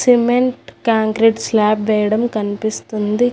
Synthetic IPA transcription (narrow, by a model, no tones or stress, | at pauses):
simeɳʈkaːŋkɾiɖslaːpʋɛːjɐɽɐmkɐnipist̪und̪i